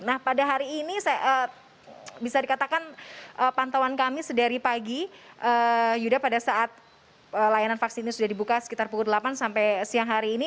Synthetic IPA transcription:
nahpadaɦaɾiːnisajaʔə | bisadikat̪akanʔəpant̪awankamisədaɾipaɡiʔəːd͡ʒudapadasaʔat̪̚ | əlajananfaksiinisudahdibukasə̥kit̪arpukudəlapansampajsiaŋɦaɾiːni

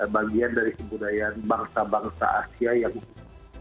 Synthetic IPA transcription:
baɡiandaɾikəbudajanbaŋsabaŋsa̰asiajaŋu

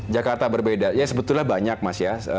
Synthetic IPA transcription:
d͡ʒakart̪abərbedajasəbət̪ʊlahbaɲak̚masjaə

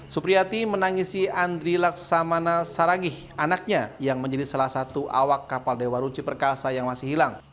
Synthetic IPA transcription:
supɾiat̪imənaŋisiand̪ɾilak̚samanasaɾaɡɪh | anak̚ɲajaŋməɲd͡ʒadisalahsat̪uʔa̰wakːapaldewaɾut͡ʃipərkasajaŋmasɪhɦilaŋ

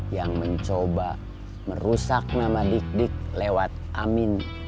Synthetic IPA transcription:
jaŋməɲt͡ʃoba | məɾusak̚namadik̚dik̚lewat̪̚amin

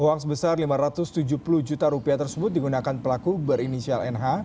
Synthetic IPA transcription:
owaŋsəbəsarlimaɾat̪ʊst̪ud͡ʒupulʊhd͡ʒut̪aɾupiat̪ərsəbʊt̪̚diɡunakanpəlakubəɾinisialɛnɦa

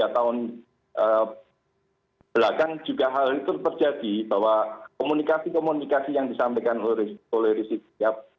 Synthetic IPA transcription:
at̪aʊn | ə | b̥lakaŋd͡ʒ̥uɡaɦalit̪ut̪ərd͡ʒad̪̥ib̥awakomunikasikomunikasijaŋdisampajkanoɾioleɾisit̪̚ijap

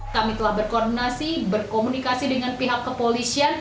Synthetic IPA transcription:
kamit̪əlahbərkɔɔrdinasibərkomunikasidəŋanpiɦakːəpolisian

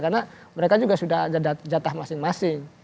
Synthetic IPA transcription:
karnaməɾekad͡ʒuɡasudahd͡ʒadad͡ʒat̪ahmasɪŋmasɪŋ

